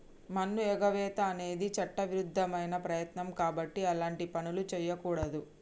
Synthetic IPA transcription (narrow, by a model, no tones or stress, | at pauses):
mɐnːuɛɡɐʋɛːt̪ɐːne̞ːd̪it͡ʃɐʈːɐʋiɾud̪ʱːɐmɐjnɐpɾɐjɐt̪nɐmkaːbɐʈːiɐlaːɳʈipɐnulut͡ʃɛːjːɐkuːɽɐd̪u